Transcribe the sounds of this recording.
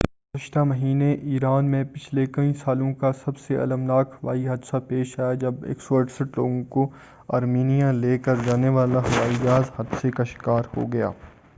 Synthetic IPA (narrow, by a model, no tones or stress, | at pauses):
ɡʊzəʃt̪amɐɦiːneʔiːɾaːnmẽpɪt͡ʃʰlekɐ̃ĩsaːlõkasɐbseʔɐ̰ləmnaːkʰɦɐʋaːiɦɐd̪sapeːʃaːjad͡ʒɐbḛːksoɐʈsəʈloːɡõko | aːɾmiːnijãleːkəɾd͡ʒaːneʋaːlaɦɐʋaːid͡ʒaːzhɐd̪sekaʃɪ̥kaːɾho̰ɡɐja̰ː